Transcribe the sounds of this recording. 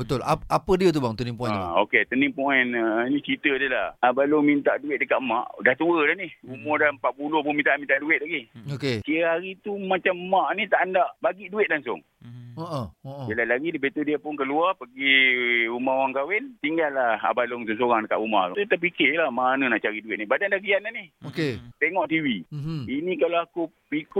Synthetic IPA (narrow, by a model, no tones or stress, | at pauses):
bət̪ʊlaapədiət̪ubaŋt̪ənĩmpuaoket̪ənĩmpuɛnnit͡ʃit̪ədəlahabalomint̪aʔduɪt̪̚dəkaʔma̰ʔdaht̪uədanɪhumɔdampat̪̚pulohpʊnmint̪aʔmint̪aʔduɪt̪̚laɡiokekiɣaɦaɾit̪umat͡ʃammaʔnit̪aʔandaʔbaɡiʔduɪt̪̚laŋsʊ̰ŋ | oʔooʔbilalaɡidəbet̪udiapʊnkəluapəɡiumaowaŋkawɪnt̪iŋɡalːaa̰balʊŋs̬ʊŋsoɣaŋdəka̰ʔuma̰t̪ut̪aʔpikɪlamanə̃naʔt͡ʃaɾiduɪt̪̚nibadandakiananɪhoket̪eŋɔʔt̪iwiinĩkaloakupiko